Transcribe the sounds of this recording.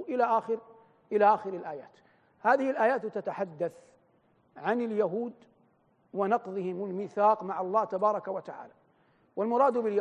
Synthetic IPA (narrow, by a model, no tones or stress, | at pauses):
ʔɪlaʔaːxɪɾ | ʔɪlaʔaːxɪɾɪlʔaːja̰ːt̪ | haːðɪhɪlʔaːjaːt̪t̪at̪aħad̪ːaθ | ʕanɪljaɦuːd̪ | wɪnɑqðˤɨhɪmalmiːθaːqmaʕɑlˤːɑːt̪abɑːɾˤɑkawat̪aʕa̰ːla | walmʊɾˤɑːd̪bɪlja